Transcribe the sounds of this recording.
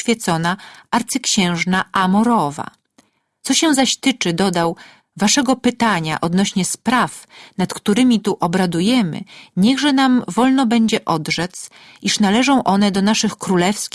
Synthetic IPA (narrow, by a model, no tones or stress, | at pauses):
fʲjɛt̪sɔnaaɾt̪sɘkɕɛ̃w̃ʐnaʔamɔɾɔva̰ | t̪sɔɕɛw̃zaɕt̪ɘt͡ʂɘd̪ɔd̪aw | vaʂɛɡɔpɘt̪aɲa̰ʔɔd̪nɔɕɲɛspɾafnat̪kt̪uɾɘmʲit̪uʔɔbɾad̪ujɛmɘ̰ɲɛɣʐɛnamvɔlnɔbɛɲd͡ʑɛʔɔd̪ʐɛt̪s | iʂnalɛʐɔ̃w̃ʔɔnɛd̪ɔnaʂɘxkɾulɛfskʲ